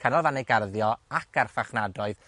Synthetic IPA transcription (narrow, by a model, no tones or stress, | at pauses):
kʰənɔlˠvanejɡarðjɔakʰarfaχnadɔɨð